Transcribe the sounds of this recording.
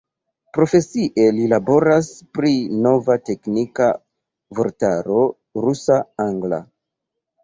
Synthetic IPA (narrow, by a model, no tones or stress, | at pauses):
pɾo̞fe̞siʔe̞lilabo̞ɾaspɾino̞vate̞knika | voɾtaɾo̞ | ɾusaaŋɡla̰